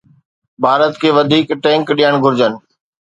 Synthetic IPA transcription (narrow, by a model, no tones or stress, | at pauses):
bʱaːɾət̪kʰeːʋɐd̪ʱiːkʈɛ̃ːŋkɗiːəɽ̃ɡʱʊɾd͡ʑən